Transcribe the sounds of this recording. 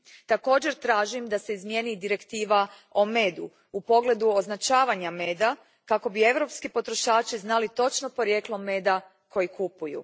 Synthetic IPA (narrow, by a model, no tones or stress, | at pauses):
t̪ako̞ːd͡ʑe̞ɾt̪ɾaːʒimd̪aseizmje̞ːnid̪iɾe̞kt̪iːʋa | o̞me̞ːd̪u | upo̞ɡle̞d̪uo̞znat͡ʃaːʋaɲame̞ːd̪a | kako̞bieʋɾo̞pskepo̞t̪ɾo̞ʃaːt͡ʃiznalit̪o̞t͡ʃno̞po̞ɾjeːklˠo̞me̞ːd̪a | ko̞jikupujṵ